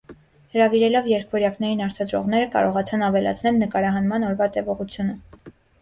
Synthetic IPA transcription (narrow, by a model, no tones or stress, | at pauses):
həɾɑviɾɛlɔvjɛɾkʰvɔɾjɑknɛɾinɑɾt̪ʰɑd̪ɾɔ̰ʁn̪ɛɾəkɑ̰ɾɔʁɑt͡sʰɑnɑvɛlɑ̰t͡sʰnɛlnəkɑɾɑɦɑnmɑnɔɾvɑt̪ɛvɔʁut͡sʰjunə